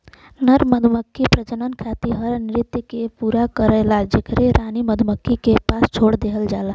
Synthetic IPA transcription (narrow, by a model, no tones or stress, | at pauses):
nəɾməd̪ʱməkːipɾəd͡ʒənənkʰat̪iɦəɾnɾit̪ːikepuɾakəɾəlad͡ʒəkɾeɾʔaniməd̪ʱməkːikepast͡ʃʰoɽd̪eɦəld͡ʒala